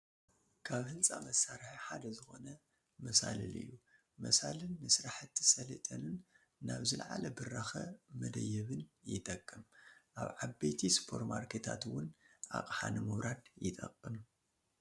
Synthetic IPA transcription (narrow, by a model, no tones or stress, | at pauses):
kʰaβhɨnt͡sʼamɐsːaɾħiħad̪ɐzɨxo̞nɐ | mɐsa̰lɨlɨ̰jːu | mɐsalɨnːɨsɾaħɨt̪ʰːi̥sɐlɐ̰t̪ʼɐnɨnː | aβzɨlʕa̰lɐbɨrːaxɐmɐd̪ɐjːɛβɨnjɪt̪ʼɐkʼːɨmʔa̰βʕabet̪ʰispʰo̞̰ɾmaɾkʰet̪ʰa̰t̪wʊnʔa̰kʼħanɨmɨβɾʔad̪jɪt̪ʼɐkʼːɨm